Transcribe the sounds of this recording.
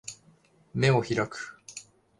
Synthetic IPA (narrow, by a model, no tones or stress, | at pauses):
me̞oçiɾakɯ̥